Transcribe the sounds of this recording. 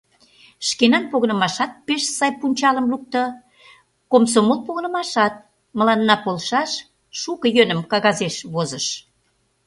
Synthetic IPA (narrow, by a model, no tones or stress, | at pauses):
ʃkenɑnpoɣənə̆mɑʃɑt̪̚peʃsɑjpunʲt͡ɕɑləmluk̚t̪ə | komsomolpoɣə̆nə̆mɑʃɑt̪̚ | mə̆lɑnːɑpolʃɑʃ | ʃukəjønə̆mkɑɣɑzeʃβozəʃ